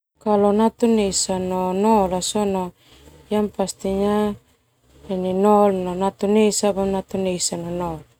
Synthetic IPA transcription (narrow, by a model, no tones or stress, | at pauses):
kalɔnat̪unesanɔnɔlasɔnɔ | jampast̪iɲa | ɛninɔlnonat̪unesabamnat̪uneisanɔnɔl